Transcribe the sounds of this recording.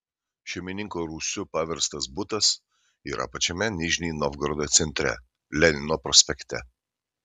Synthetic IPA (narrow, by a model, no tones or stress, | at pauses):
ʃʲɛmʲɪnʲɪŋkoɾuːsʲʊpɑʋʲɛɾst̪ɐsbʊt̪ɐs | ḭːɾʔɐ̰pɐt͡ʃʲɛmʲɛnʲɪʒʲnʲiːnɔvɡɾɔd̪ot̪sʲɛnʲt̪ʲɾʲɛ̰ | lʲɛnʲɪnɔpɾɔsʲpʲɛkt̪ʲɛ̰